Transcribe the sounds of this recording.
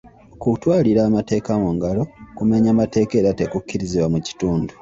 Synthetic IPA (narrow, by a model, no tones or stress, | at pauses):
okutwaːliɾaːmate̞ːkamuŋɡalo̞kume̞ɲamate̞ːke̞ːɾate̞kucːiɾiziβwamuci̥tuːndu